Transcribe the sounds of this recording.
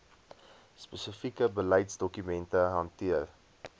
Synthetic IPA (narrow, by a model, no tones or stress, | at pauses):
spəsəfikəbələjtsdɔkymɛntəɦɐntiər